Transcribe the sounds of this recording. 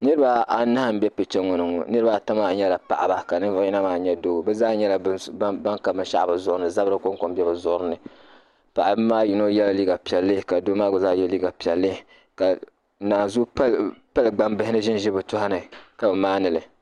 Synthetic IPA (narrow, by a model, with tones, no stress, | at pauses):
nɨ˦ɾɨ˦ba˦a˨na˦a˦m̩˦bɛ˦pɨ˨t͡ʃɛ˦ŋɔ˨nɨ˨ŋo̰˨nɨ˦ɾɨ˦ba˨ta˦ma˨ɲɛ˦la˨pa̰˨ʔa˨ba˨ka˨nɨ˦vʊ˦ji˦na˦maː˨ɲɛ˦doː˦˨bɛ˦zaː˦ɲɛ˦la˨˦ba˦ŋka˨bɨ˦ʃa˦ʔbɨ˨zʊ˦˨ʔɾɨ˦nɨ˨za˦bɾɨ˦ko˦ŋ˦ko˨m˦bjɛ˦bɨ˨zʊ˨ʔʊ˦ɾɨ˦nɨ˨ | pa̰˨ʔa˨bmaː˦ji˨no˦jɛ˦la˨liː˦ɡa˨pi˨ɛ˨lːɨ˦ka˨doː˦maː˦ɡo˨zaː˦jɛ˦liː˦ɡa˨pi˨ɛ˨lːɨ˦ | ka˨ | naː˨zu˦pa˦lɨ˨ɡ͡ba˦mbɨ˦hɪ˦nɨ˦ʒɪ˦n˦ʒɪ˦bɨ˨tʊ˦ha˦nɨ˨ka˨bɨ˨maː˦nɨ˨lɨ˨